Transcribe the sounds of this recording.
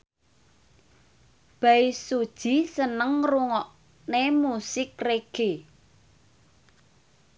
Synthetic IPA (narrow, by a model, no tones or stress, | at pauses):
b̥aisod̥ʒ̥i̤sənəŋruŋɔʔ | nemusɪkreɡ̥e